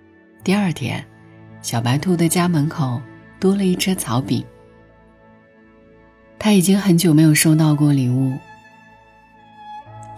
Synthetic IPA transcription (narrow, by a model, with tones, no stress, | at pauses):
t̪i˥˧ə˞˥˩t̪ʰjɛ̰˥n | ɕjɑ˨˩ʊpa˧˥ɪt̪ʰu˥˩d̪ə˨t͡ɕja˥mə˧˥nkʰo˨˩˦ʊt̪wɔ˥lə˨˧i˥˩ʈ͡ʂʰɤ˥t͡sʰɑ˧˥ʊpḭ˨˩˦ | t̪ʰa˥i˨˩t͡ɕi˥ŋxə˧˥nt͡ɕjo˨˩ʊme˧˥ɪjo˨˩ʊʂo˥˧ʊt̪̬ɑ˥˧ʊkwɔ˥˩li˨˩ŋu˥˩